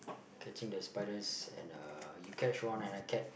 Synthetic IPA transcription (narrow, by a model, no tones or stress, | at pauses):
kʰɛt͡ʃĩŋdəspaɪdəsɛ̰̃na̰jukʰɛt͡ʃɹɔ̃nɛ̃naɪkʰɛt̚